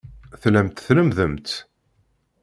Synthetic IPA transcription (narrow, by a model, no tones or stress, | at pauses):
θləmt̪θləmðəmt̪